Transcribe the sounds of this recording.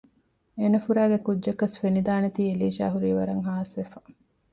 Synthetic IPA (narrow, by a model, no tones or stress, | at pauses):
enɐfuɾæːɡekudʒɐkːɐsfenid̪aːnet̪iːeliːʃa̰ːɦuɾiːʋɐɾɐŋɦaːsʋefɐ